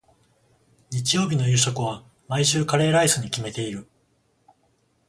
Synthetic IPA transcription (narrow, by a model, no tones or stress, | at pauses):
ɲit͡ɕijo̞ːbʲino̞jɯ̟ːɕokɯ̟β̞a | maiɕɨːkaɾe̞ːɾaisɨɲ̟ikʲime̞t̪e̞iɾɯ̟